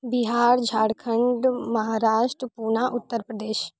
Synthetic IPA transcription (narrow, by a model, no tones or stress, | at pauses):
biɦaːɾd͡ʒʱaːɽkʰəɳɖməɦaːɾaːʃʈɾəpuːnaʔʊt̪ːəɾpɾəd̪eːʃ